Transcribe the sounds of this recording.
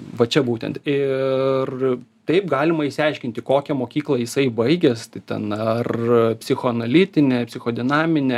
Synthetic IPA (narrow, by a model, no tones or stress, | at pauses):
ʋɐt͡ʃʲɛbuːt̪ʲɛ̰nt̪ɪrt̪ɐɪp̚ɡɑːlʲɪmɐɪsʲɪɛɪʃʲkʲɪnʲt̪ʲɪkoːkʲɛmoːkʲiːklˠɐjɪsɐɪbɐɪɡʲɛst̪ɐɪt̪ʲɛ̰nɐrpʲsʲɪxoːɐnɐlʲɪt̪ʲɪnʲepʲsʲɪxoːd̪ʲɪnɑːmʲɪnʲɛ